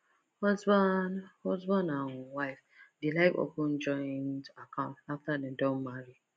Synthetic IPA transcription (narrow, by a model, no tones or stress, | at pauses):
hɔzbhɔzbɔnaŋʊwaɪfdɪlaɪko̰kʊn̩d͡ʒɔɪndakãʊ̃ntaftanedõnmaɾi